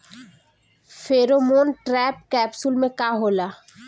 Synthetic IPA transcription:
fʰeːɾomoːnʈɾɛːp̚kɛːbsʊlmẽkaːɦoːlaː

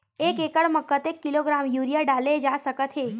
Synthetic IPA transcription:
eːkekəɽməkːət̪ekːiloɡɾamjuɾijaɖaled͡ʒasəkət̪ɦe

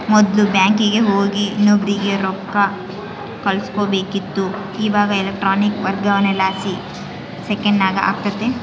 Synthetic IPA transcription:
mɔd̪lubjaːŋkiɡeɦoːɡinːoːbɾiɡeɾɔp̚ka | kɐlskoːbeːkit̪ːu | iːʋaːɡɐelek̚ʈɾaːnikʋɐɾɡ̪ɡɐʋɐnelaːsi | sekɐɳɖnaːɡɐa̰ːɡ̚t̪ɐt̪ːe

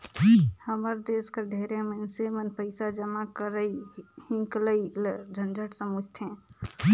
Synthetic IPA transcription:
həməɾd̪eskəɾɖʱeɾemensemənpəɪsad͡ʒəmakəɾəihĩŋkləild͡ʒʱənd͡ʒəʈsəmud͡ʒt̪ʰɛ̃

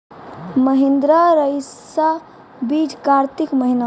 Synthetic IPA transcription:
məɦend̪ɾaɾəjsa | bid͡ʒkaɾt̪ikməɦina

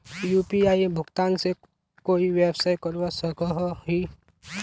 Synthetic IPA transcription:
juːpiaːibʱʊɡt̪aːnse | koːiʋeːbsaːjkəɾʋasəkəɦɦi

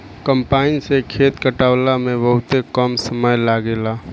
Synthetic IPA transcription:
kəmpaːɪnsekʰeːt̪kəʈaːwlamẽbəɦʊt̪ekəmsəməjlaːɡeːlaː

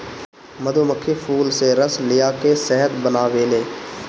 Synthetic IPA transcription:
məd̪oːməkʰːepʰuːlseɾəslɪjaːkesɛɦət̪bənaːʋeːleː

